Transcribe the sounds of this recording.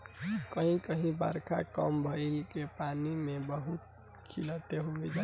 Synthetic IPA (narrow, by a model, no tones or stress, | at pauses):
kəɦĩkəɦĩbə̰ɾkʰakəmbʱəɪlkepanimẽbəɦut̪̚ | kʰilət̪eɦubid͡ʒa